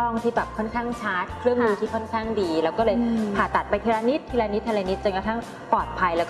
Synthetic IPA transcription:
ɔ˥˩ŋt̪ʰiː˥˩bɛː˨˩p̚kʰɔ˥˩nkʰaː˥˩ŋt͡ɕʰaː˦˥t̪̚kʰɾɯ˥˩əŋduː˧t̪ʰiː˥˩kʰɔ˥˩nkʰaː˥˩ŋdiː˧lɛ˦˥wkɔː˥˩lɤː˧jpʰaː˨˩t̪ːa˨˩t̪̚pa˧jt̪ʰi˧laː˧ni˦˥t̪ʰːiː˧laː˧ni˦˥t̪ʰːa˧laː˧ni˦˥t̪̚t͡ɕo˧nka˧t̪ʰa˥˩ŋ | pɔː˨˩t̪̚pʰa˧jlɛː˦˥wkː

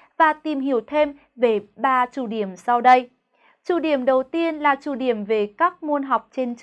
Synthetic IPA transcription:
vaː˨˩t̪i˨˩mɦi˧˩˦əwt̪ʰe˧m | ve˨˩ɓaː˧t͡ɕu˧˩ɗi˧˩əmsa˧wɗə˧j | t͡ɕu˧˩ɗi˨˧˩əmɗə˨˩wt̪i˧ənlaː˨˩t͡ɕu˧˩ɗi˨˧˩əmve˨˩kaː˦˥k̚mu˧ənɦa˨˩wk͡p̚t͡ɕe˧nt͡ɕ

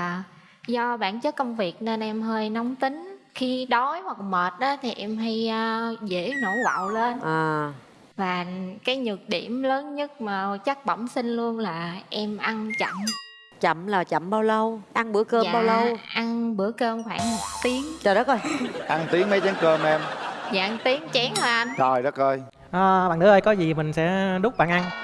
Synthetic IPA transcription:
zɔ˧ɓa̰ː˧˨nt͡ɕə˦˥t̚kə˧wŋ͡mvi˨˩ək̚ne˧nʔɛ˧mɦəː˧jnɔ˨˦wŋ͡mt̪ï˨˦ŋ̟ | xi˧ɗɔ˨˦jhwa˨˩k̚məː˨˩t̚ʔɔː˨˦t̪ʰi˨˩ʔɛ˧mɦa˧jəː˧zḛ˧˥no̰˧˩va̰ː˧˨wle˧nʔəː˨˩ | vaː˨˩kaː˨˦jɲɨ˨˩k̚ɗḭ˧˩əmləː˨˦nɲə˦˥t̚maː˨˩t͡ɕa˦˥k̚ɓə̰˧˩wŋ͡msï˧ŋ̟lu˧ənlaː˨˩ʔɛ˧mʔa˧nt͡ɕə̰˧˨m | t͡ɕə̰˧˨mlaː˨˩t͡ɕə̰˧˨mɓaː˧wlə˧wʔa˧nɓɨ˧˩əkəː˧˨ɓaː˧wlə˧wʔa˧nɓɨ˧˩əkəː˧mkʰwaː˧˩ŋmo˨˩t̚t̪i˨˦əŋt͡ɕɔː˨˩ɗɔ˨˦˥kəː˧jʔa˧ŋt̪i˨˦əŋmə˨˦jt͡ɕɛ˨˦˥ŋkəː˧mʔɛ˧mza̰ː˧ŋt̪i˨˦əŋt͡ɕɛ˨˦ŋhaː˨˩ʔa˧ntɔ˨˩jɗɔ˨˦˥kə˧j | ʔaː˨˩ɓaː˧˨nt̪ɨ˨˦ʔəː˧jkɔ˨˦zi˨˩mï˨˩ŋ̟sɛ̰˧˥ɗʊ˦˥k͡p̚ɓa̰ː˧˨nʔa˧n

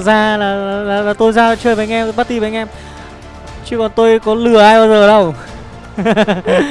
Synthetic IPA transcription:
zaː˧laː˨˩aː˨˩laː˨˩laː˨˩t̪o˧jzaː˧˨˩t͡ɕəː˧˩jɓa˨˦ŋʔɛ˧m˧˩ɓaː˦˥t̪i˧˩ɓe˨˦ʔɛ˧m | t͡ɕi˨˦kɔ˨˩nt̪o˧jkɔ˨˦lɨ˨˩əʔaː˧jɓaː˧wzəː˨˩ɗə˧w

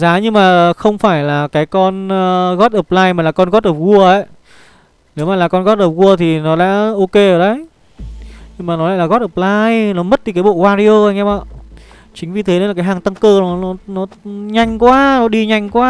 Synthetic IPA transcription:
zaː˨˦ɲɨ˧ŋmaː˨˩xə˧wŋ͡mfaː˧˩jlaː˨˩kaː˨˦jkɔ˧nːɣɔ˦˥t̚ʔəː˨˩p̚laː˧jmaː˨˩laː˨˩kɔ˧nɣɔ˦˥t̚ʔəː˨˩p̚ɣu˧əʔə˧˦j | ne˨˦wmaː˨˩laː˨˩kɔ˧nɣɔ˦˥t̚ʔəː˨˩p̚ɣu˧ət̪ʰi˨˩nɔ˨˦ɗa̰ː˧˥ʔo˧ke˧əː˧˩ɗə˨˦j | ɲɨ˧maː˨˩nɔ˨˦a̰ː˧˨laː˨˩ɣɔ˦˥t̚əː˨˩laː˧jnɔ˨˦mə˦˥t̪̚i˨˧˩kaː˨˦jɓo̰˧˨vaː˧ɾi˧o˧ə˧˩ŋ̟ɛ˧ɓa̰ː˧˨ | t͡ɕï˨˦ŋ̟vi˨˩t̪ʰe˨˦n˨˧˦aː˨˩kaː˨˦ɦhaː˨˩ŋt̪a˧ŋkəː˧˩nɔ˨˦nɔ˨˦nɔ˨˦ɲa˨˩jŋ̟kwaː˧nɔ˨˦ɗi˧ɲa˨˩jŋ̟kwaː˧

